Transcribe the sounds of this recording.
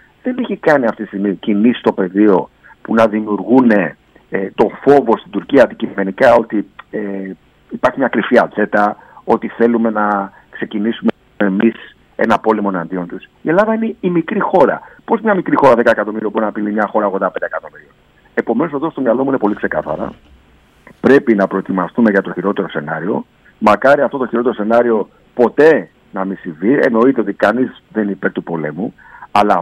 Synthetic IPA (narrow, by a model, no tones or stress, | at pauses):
ðe̞neçikɐniɐft̪it̪ist̪iɣmicinisi̥t̪o̞pe̞ðio̞ | punɐðimiuɾɣune̞ | t̪o̞fo̞vo̞st̪ind̪uɾciɐd̪icime̞nikɐo̞t̪ie | ipɐɾçimɲɐkɾifiɐt͡se̞t̪ɐ | o̞t̪iθe̞lume̞nɐ | kse̞cinisume | emis | e̞̰nɐpo̞limo̞nɐnd̪io̞nt̪usie̞lɐðɐine̞imikɾixo̞ɾɐ̰po̞smɲɐmikɾixo̞ɾɐðe̞kɐekɐt̪o̞miɾiopunɐpilimɲɐxo̞ɾɐɣo̞nd̪ɐped̪ekɐt̪o̞miɾion | e̞po̞me̞no̞soðost̪o̞mɲɐlo̞muine̞po̞likse̞kɐθɐ̰ɾɐ̰ | pɾe̞pinɐpɾo̞et̪imɐst̪ume̞ʝɐt̪o̞çiɾo̞t̪e̞ɾo̞se̞nɐɾio̞̰ | mɐkɐɾiɐft̪o̞t̪oçiɾo̞t̪e̞ɾo̞se̞nɐɾio̞ | po̞t̪e̞ | nɐmisiɱviḛno̞it̪e̞o̞t̪ikɐnizðenipe̞ɾt̪upo̞le̞̰mu | ɐlɐ